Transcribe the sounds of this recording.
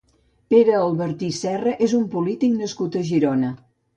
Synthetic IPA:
peɾəːlˠβəɾt̪isɛrəʔezumpulit̪iknəskut̪əʒiɾonə

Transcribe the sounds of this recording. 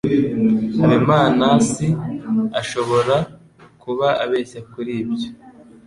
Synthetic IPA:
haɾimaːnasiaʃo̞βo̞ɾa | kuβaaβeːsekuɾiːbjo

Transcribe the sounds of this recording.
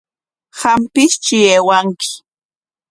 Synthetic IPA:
hampɪst͡ʃɪjeːwaŋkɪ̥

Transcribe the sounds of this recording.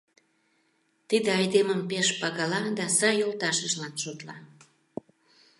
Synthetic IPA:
t̪id̪eɑjd̪eməmpeʃpɑɣɑlɑd̪ɑsɑjolt̪ɑʃəʒlɑnʃot̪lɑ

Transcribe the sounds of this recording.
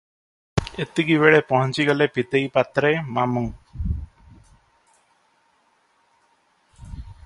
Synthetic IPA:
et̪iɡiβeɭepɔɦɔnt͡ʃiɡʌlepit̪ejpat̪ɾemamuŋ

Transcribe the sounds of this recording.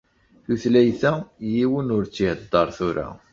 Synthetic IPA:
θuθlæjθæjiwənʊɾt͡sːihəd̪ːɑɾˤθuɾa̰

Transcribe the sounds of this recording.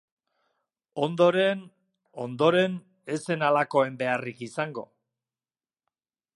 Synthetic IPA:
o̞nd̪o̞ɾe̞n | o̞nd̪o̞ɾe̞n | e̞se̞nalako̞e̞mbe̞arikisaŋɡo̞̰

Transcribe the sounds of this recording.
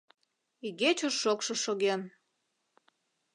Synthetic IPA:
iɣet͡ɕoʃːokʃoʃoɣen

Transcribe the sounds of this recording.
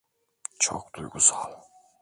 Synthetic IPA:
t͡ʃʰɔ̰k̚d̪̥ujɡusalˠ

